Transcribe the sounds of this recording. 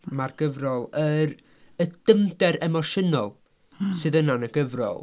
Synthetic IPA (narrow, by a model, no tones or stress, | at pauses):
marɡ̥əvrɔlˠəɾ | əd̥əmdɛɾɛmɔʃənɔlˠ | sɨðənanəɡəvrɔ̰lˠ